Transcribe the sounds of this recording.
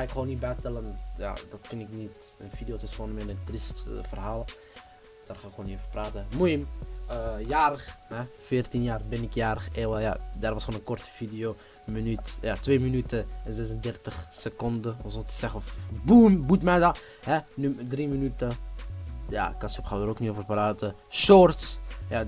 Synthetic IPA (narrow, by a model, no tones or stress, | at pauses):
xaɪkχoːnit̚bɛjtɛlənja̰dɔtkɪnɪknit | ənfidijotəsoːnəmɛnəntristfərɦaːlˠ | d̥arχaːɪkoːnitoːvəpraːtəmujəməjaːɾəxɦɛfɪːrtinjaːrbɛnɪkjaːɾəxeːwəja̰darʋɑsχoːnənkɔrtə̥vidijo | mənytjatʋeːmənytəzɛsəndɛrtəxsəkɔndəɔnsɔtə̥sɛxəɔfbumbutmɛdɑ | hɛnydrimənytə | ja̰kɑsupχawdəɾokniovərpraːtə | ʃɔrtsja